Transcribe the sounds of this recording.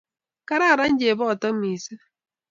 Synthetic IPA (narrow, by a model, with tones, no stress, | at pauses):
ka˦ɾa˦˨ɾa˦ɲ̩˦d͡ʒe˨bɔ˦˨tɔ˦mi˨se˦